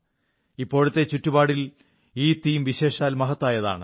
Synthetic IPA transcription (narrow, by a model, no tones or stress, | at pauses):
ipːo̞ːɻut̪ːe̞t͡ɕutːubaːɽil | iːt̪ːiːmʋiɕe̞ːʂaːlmɐɦɐt̪ːaːjɐða̰ːɳɨ